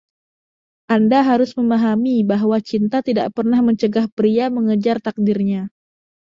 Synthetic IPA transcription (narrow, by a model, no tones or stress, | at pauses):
ʔandaɦaɾʊsməmaɦamibaɦwat͡ʃint̪at̪ida̰ʔpərnahməɲt͡ʃəɡahpɾiaməŋəd͡ʒart̪ak̚dirɲa